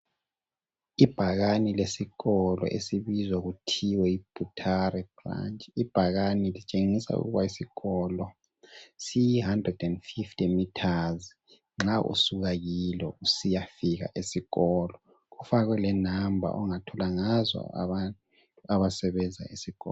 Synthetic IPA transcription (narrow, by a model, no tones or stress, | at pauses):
ib̥ʱaɣanilesiɣɔlɔ̰ʔḛsiβizwaɣutʰiwɛib̥ʱutʰarɛb̥ra̰nt͡ʃʼib̥ʱaɣanilit͡ʃʼeŋisa̰ṵɣuβaisiɣɔlɔ | sijiɦandrɛdɛndfiftʰʼimitʰaz | ŋ͡ǁaʔṵsuɣaɣilɛusijafiɣa̰ʔesiɣɔlɔ | ufaɣwɛlɛnambʱa̰ʔɔ̰ŋatʰɔlaŋazɔ̰a̰βant | aβasɛβɛnd͡zʱa̰esiɣɔ̰ːl